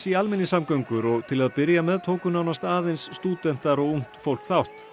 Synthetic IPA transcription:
sialmɪnːɪsamkœɥŋkʏɾɔɣt̪ʰɪlaðpɪɾjamɛðt̪ʰoːwkʏnawnast̪aːðejnsːt̪uːt̪ɛn̥t̪aɾɔɣuŋ̥tt̪fowl̥kθawht̪

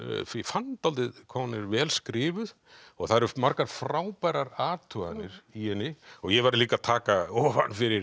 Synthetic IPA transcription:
ffant̪awlt̪ɪðkʰɔːwnɪɾvɛːlskɾɪːvʏð | ɔɣθaðɾmaɾkaɾ̥fɾaːwpaːjɾaɾaːt̪ʰœa̰nɪɾ̥iɛnːɪɔɣjɛvaɾliːkat̪ʰaːkaɔːva̰nfɪɾɪɾ

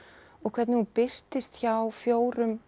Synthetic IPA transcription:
ɔɣkʰvɛt̪nɪhunpɪr̥t̪ɪst̪çawfjoːwɾʏm

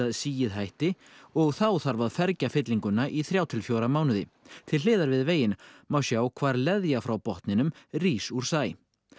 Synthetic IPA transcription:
aðsiːjɪðɦajht̪ɪɔɣθawθaɾvaðfɛɾcafɪt̪liŋkʏnːaʔiθɾjaːwt̪ʰɪlfjoːwɾamaːwnʏðɪt̪ʰɪllɪːðaɾvɪðveːjɪnmawsjaːwkʰvaːɾlɛðjafɾawpɔht̪nɪnʏmriːsuɾ̥saːj

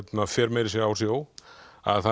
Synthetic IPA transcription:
t̪nafɛːɾmejɾɪsjɛɣaːws̬joːwa̰ðθa

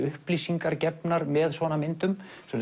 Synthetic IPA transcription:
ʏhpliːsiŋkaɾcɛpnaɾmɛðsvɔnamɪnt̪ʏmsɛm

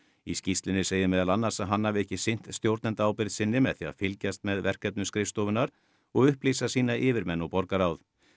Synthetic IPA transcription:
iscist̪lɪnɪseːjðɪmɛːðalanːaɾ̥saɦanːavɛhcɪsejn̥t̪st̪jowɾt̪nɛnt̪aːwpɪɾðsɪnːɪmɛðθia̰ðfɪlcast̪mɛðvɛr̥kɛt̪nʏskɾɪfst̪ɔːvʏnaɾ̥ | ɔɣʏhplisasiːnaʔɪːvɪɾmɛnːɔɣpɔɾkaɾawð

